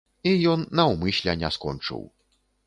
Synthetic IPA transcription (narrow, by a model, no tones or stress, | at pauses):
ijɔnːɐwmɨsʲlʲɛnʲɛskɔ̰nt͡ʂɨ̰w